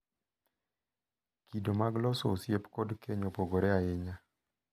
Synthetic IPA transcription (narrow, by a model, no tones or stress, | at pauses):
kidomaɡlɔsɔːsjepkodkʰeɲopoɡoɾɛaɪɲa